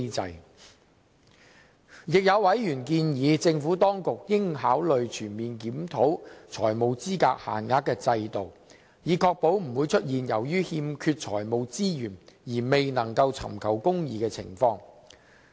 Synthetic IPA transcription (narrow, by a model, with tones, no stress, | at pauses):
t͡sɐ̰˨˧j | jɪ˨k̚jɐ˨˧wwɐ˨˥jjyː˨˩nkiː˧njiː˨˧t͡sɪ˧ŋfuː˨˥t̪ɔː˥ŋkʊ˨k̚jɪ˥ŋɦaː˨˥wlɵ˨ɥt͡ʃʰyː˨˩nmiː˨nkiː˨˥mt̪ʰo˨˥wt͡ʃʰɔ̰ː˨˩jmo˨˧wt͡siː˥kaː˧k̚ha̰ː˨˩nŋaː˧˥t̚kːɛː˧t͡sɐ˧jt̪o˨w | jiː˨˩kʰɔː˧k̚po˨˥wm̩˨˩wu˨˧jt͡ʃʰɵ˥t̚jiː˨njɐ˨˩wjyː˥hiː˧mkʰyː˧t̚t͡ʃʰɔ̰ː˨˩jmo˨˧wt͡siː˥jyː˨˩njiː˨˩me˨jnɐ˨˩ŋkɐ˧wt͡sʰɐ̰˨˩mkʰɐ˨˩wkʊ˥ŋjiː˨˧kɛː˧t͡sʰɪ̰˨˩ŋfɔː˧ŋ